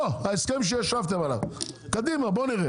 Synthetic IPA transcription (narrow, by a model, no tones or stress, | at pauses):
oaiskemʃ̬ejaʃavt̪emala̰vkad̪imaboniʁe